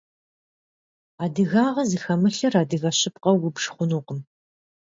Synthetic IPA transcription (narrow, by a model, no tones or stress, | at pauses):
aːdɨɣaːʁɐzɨxɐmɨɬɐraːdɨɣɐɕɪp̚qɐwʊbʂχʷʊnuːqəm